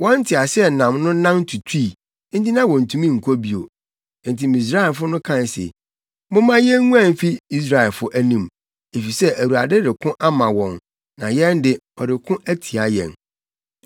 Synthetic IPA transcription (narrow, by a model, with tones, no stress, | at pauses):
wɔ̃˦n̩˦tʰɪ˨a˨sɛ˦nã˨mnʊ̃˦nã˦mn˦tʰu˨tʰiː˦˨ | n̩˦di˦nã˦wɔ̃˨n̩˨tʰũ˨mĩ˦˨ŋ̩˨kʰo˦bi˨o̰˨˦ | n̩˨ti˨mĩ˨s̬ɾa˦ɪ˨lfʊ˦nʊ̃˦kʰã˦˨n˨sɛ̰˨ | mʊ̃˦mã˦jɛ˦ŋũ˦ã˦˨m̩˨fi˦i˦s̬ɾa˨ɛ˨lfʊ˦ʔæ˦nĩ˨m | e˨fi˨sɛ˦ʔæ˨wu˨a˨dɪ˦dɪ˨kʰʊ̃˦ʔa˦mã˨wɔ̃˨n | nã̰˨jɛ̃˦n˦dɪ˨ɔ˨dɪ˨kʰʊ̃˦ʔæ˦tʰi˨a˨jɛ̰̃˨n